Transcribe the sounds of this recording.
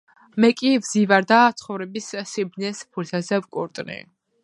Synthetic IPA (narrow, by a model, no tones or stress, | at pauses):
mɛkʼivzivaɾd̪at̪sʰχɔvɾɛbissibnɛspʰut̪ʰazɛvkʼuɾt̪ʼnḭ